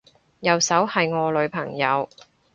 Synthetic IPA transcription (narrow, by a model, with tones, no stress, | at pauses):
jɐ˨˧wsɐ˨˥whɐ˨jŋɔː˨˧lɵ˨˧ɥpʰɐ˨˩ŋjɐ˨˧w